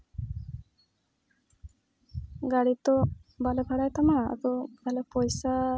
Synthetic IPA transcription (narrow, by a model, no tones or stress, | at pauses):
ɡaɽit̪ɔbalebʱaɽajt̪amaa̰t̪ɔbʱalepɔjsa